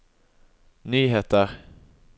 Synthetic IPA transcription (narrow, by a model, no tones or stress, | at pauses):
nyːɦeːt̪əɾ